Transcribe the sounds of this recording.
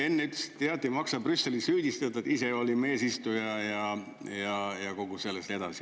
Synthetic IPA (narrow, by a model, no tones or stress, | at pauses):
e̞nːeyt̪ːˑst̪ːeɑt̪ːˑimɑksɑbrysːe̞lisyːd̪̥ʲist̪ɑt̪ut̪ise̞o̞lime̞ːsist̪ujɑjɑ | jɑjɑko̞ɡ̥use̞lːest̪e̞d̪̥ɑ̰si̥